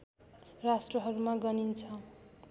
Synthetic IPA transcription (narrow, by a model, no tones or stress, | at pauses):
rasʈrʌɦʌɾumaɡʌnint͡sʰʌ